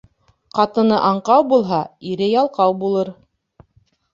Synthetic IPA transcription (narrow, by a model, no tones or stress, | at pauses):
qɑt̪ɤ̆nɤʔɑɴqɑwbulˠɦɑiɾɘjɑlˠqɑwbulˠɤɾ